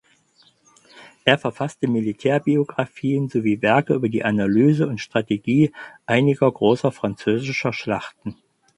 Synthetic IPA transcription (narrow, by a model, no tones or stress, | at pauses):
ʔeːɐfɛɐfastəmilitʰɛːɐbioɡʁafiːənzoviːvɛɐkəʔyːbɐdḭːʔanalyːzəʊntʃtʁ̥ateɡiːʔaɪnɪɡɐɡʁoːsɐfʁ̥ant͡søːzɪʃɐʃlaχtn̩